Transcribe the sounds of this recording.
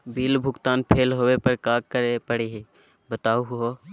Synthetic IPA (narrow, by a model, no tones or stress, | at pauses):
biːlbʱʊɡt̪aːnpʰeːlɦoːwepəɾkaːkkəɾepəɽeɦe | bət̪aːuɦɦoː